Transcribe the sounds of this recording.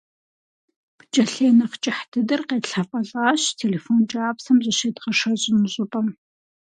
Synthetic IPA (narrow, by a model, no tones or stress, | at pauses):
pt͡ʃʼɐɬeːnɐχt͡ʃʼɪħtʰɨdɨrqeːɬɐfʼɐɬʼaːɕtʰeːleːfoːnt͡ʃʼaːpsɐmzʼɐʃeːdʁɐʂɐɕʼɪnɨɕʼɪpʼɐm